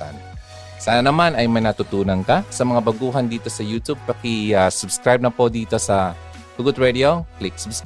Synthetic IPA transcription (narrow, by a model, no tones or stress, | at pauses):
a̰n | saːnɐnɐmanɐjmɐjnɐt̪ʊt̪uːnɐnkɐsɐmɐŋabɐɡuːɦɐnd̪iːt̪o̞sɐjuːt̪ub̚pɐkɪasʊbskɾajb̚nɐpod̪iːt̪o̞sɐ | pʊɡʊt̪̚ɹɛd̪ioklɪk̚sʊbs